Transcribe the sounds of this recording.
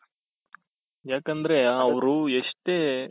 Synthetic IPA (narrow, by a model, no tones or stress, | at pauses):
jaːkɐnd̪ɐɾe̞ɐʋɾueʂʈeː